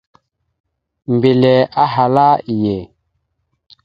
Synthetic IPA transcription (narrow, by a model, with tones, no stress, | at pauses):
m˨be˨lɛ˨a˦ɦa˨la˦i˨je˨